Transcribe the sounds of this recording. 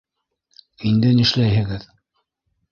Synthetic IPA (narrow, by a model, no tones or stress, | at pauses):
ind̪ɘnɘ̆ʃlæjɦɘ̆ɡɘð